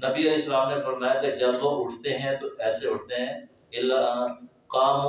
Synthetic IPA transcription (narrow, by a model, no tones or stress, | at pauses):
nɐbiɐlɛːsːəlaːmnefɐɾmaːjaked͡ʒɐbʋoʔʊʈʰt̪eɦɛ̃t̪oʔɛːseʊʈʰt̪eɦɛ̃ː | ɪla | qaːm